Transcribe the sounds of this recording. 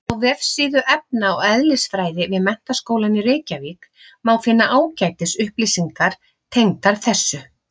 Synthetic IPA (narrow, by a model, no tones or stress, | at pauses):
awvɛfsiːðʏʔɛp̚naɔwɛðlɪsfɾaːjðɪvɪðmɛn̥t̪askoːwlanirejcavik | maːwfɪnːaʔaːwcajt̪ɪsʏhplisiŋkaɾ̥ | t̪ʰejŋt̪aɾ̥θɛsːʏ